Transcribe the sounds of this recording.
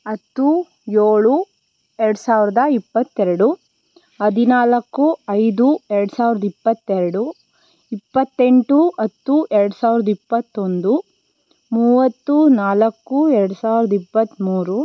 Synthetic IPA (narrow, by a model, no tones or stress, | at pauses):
ɐt̪ːu | joːɭu | ɛɾɐɽusaːʋiɾɐd̪ɐipːɐt̪ːɛɾɐɽu | ɐd̪inaːlɐkːuɐjd̪uɛɾɐɽusaːʋiɾɐd̪ɐipːɐt̪ːɛɾɐɽu | ipːɐt̪ːeɳʈuɐt̪ːuʔɛɾɐɽusaːʋiɾɐd̪ɐipːɐt̪ːo̞nd̪u | muːʋɐt̪ːunaːlɐkːuɛɾɐɽusaːʋiɾɐd̪ɐipːɐt̪ːmuːɾu